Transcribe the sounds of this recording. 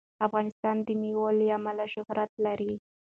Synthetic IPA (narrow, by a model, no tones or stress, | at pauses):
afɣɑnɪst̪ɑnd̪əniwaliamalaʃʊhɾat̪̚laɾi